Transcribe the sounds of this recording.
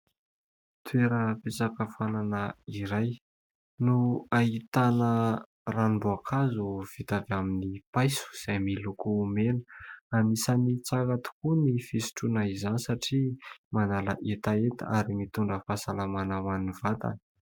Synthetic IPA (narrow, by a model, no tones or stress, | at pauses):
t̪ʰweɾəpet͡sakəfananəiɾaj | nuait̪anə | ranibuakʰazuv̥it̪avaminipajsu̥z̥ajmilukumenə̥amisanit͡sakat̪u̥kunifisi̥ʈ͡ʂunaizanisaʈ͡ʂimanala̰ʔet̪aet̪a̰aɾimit̪uɳɖ͡ʐəfasalamanamanivat̪a̰n